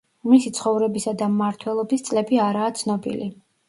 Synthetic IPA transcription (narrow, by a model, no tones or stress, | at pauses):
misit̪sʰχɔvɾɛbisad̪amːaɾt̪ʰwɛlˠɔbist̪sʼlɛbiaɾaːt̪sʰnɔbḭli